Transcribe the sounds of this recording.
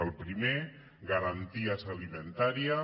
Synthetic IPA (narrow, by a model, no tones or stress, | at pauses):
əlˠpɾime | ɣəɾant̪iazəlimənt̪aɾia